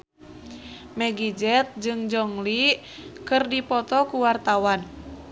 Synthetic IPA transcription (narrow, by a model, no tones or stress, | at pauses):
mɛɡid͡ʒɛt̪̚d͡ʒɨŋd͡ʒɔŋli | kɨrdipɔt̪ɔkuwart̪awan